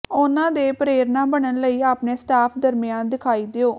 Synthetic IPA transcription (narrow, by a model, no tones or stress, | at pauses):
ʊnãːd̪eːpəɾeːɾnãːbəɳənləiːaːpneːsʈaːpʰd̪əɾmɪjãːnd̪ɪkʰaːiːd̪eoː